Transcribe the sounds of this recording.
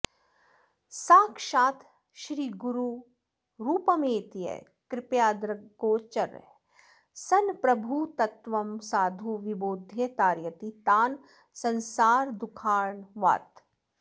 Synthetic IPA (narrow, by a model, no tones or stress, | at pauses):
saːkʃaːt̪ʰ | ʃɾiːɡuɾu | ɾuːpɐmeːt̪ijə̰ | kɾɪpjaːd̪ɾəɡoːt͡ʃɐɾ̰ | sɐnpɾɐbʱut̪ɐt̪ʋɐmsaːd̪ʱuʋiboːd̪ʱjet̪aːɾjət̪it̪aːn | sɐ̃nsaːɾd̪ukʰaːɾɳʋa̰ːt̪